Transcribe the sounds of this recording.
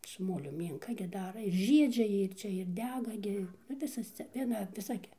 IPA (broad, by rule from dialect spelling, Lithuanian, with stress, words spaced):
sʊ ˈmoːlʲʊ ˈmʲiːŋkɐ ɡʲɪ ˈdɑːrɐ ɪr ˈʒʲiɛd͡ʒʲɛ ˈjiɛ ɪr ˈt͡ʃʲɛ ɪr ˈdʲæːɡɐ ˈɡʲɪ ˈnʊ ˈʋʲɪsɐs t͡sʲɛ ˈʋʲiɛnɐ ʋʲɪˈsɐ ɡʲɪ